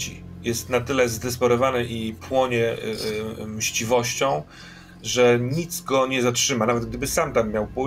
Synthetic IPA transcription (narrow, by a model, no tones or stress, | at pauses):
ḭjɛst̪nat̪ɘlɛzd̪ɛspɔɾɔvanɛʔipwɔɲɛ | mɕt͡ɕivɔɕt͡ɕɔ̃w̃ | ʐɛɲit̪sɡɔɲɛzatʂɘmanavɛt̪̚ɡ̚d̪ɘbɘsamt̪amːʲjawpu